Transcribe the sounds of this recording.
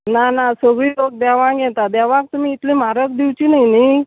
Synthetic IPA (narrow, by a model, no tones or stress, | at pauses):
nanasəɡɭiːlok̚d̪aʋãɡɛ̃t̪ad̪aʋãk̚t̪um̤iːt̪lĩm̤aɾək̚d̪iwt͡ɕinaini